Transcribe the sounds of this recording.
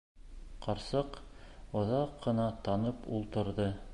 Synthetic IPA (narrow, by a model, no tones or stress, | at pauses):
qɑɾsɤqŏðɑqːɤ̆nɑt̪ɑnɤpṵlˠt̪ɤ̆ɾðɤ